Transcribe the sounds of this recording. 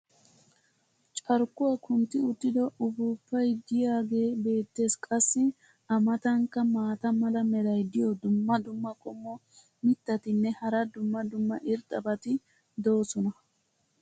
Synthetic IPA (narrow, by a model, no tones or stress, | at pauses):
t͡ʃʼɐɾkːʊwakʊnt̪ːɪʊt̪ːɪd̪ɔʊbʊpːɐjd̪ɪjaːɡe̞ːbe̞ːt̪ːe̞ːskʼɐsːɪ | ɐmɐt̪ɐŋkːɐmaːt̪ɐmɐlɐmɛlɐjd̪ɪjɔd̪ʊmːɐd̪ʊmːɐkʼɔmːɔ | mɪt̪ːɐt̪ɪnːɛhɐɾɐd̪ʊmːɐd̪ʊmːɐʔɪɾt̪ʼɐbɐt̪ɪ | d̪o̞ːsɔnɐ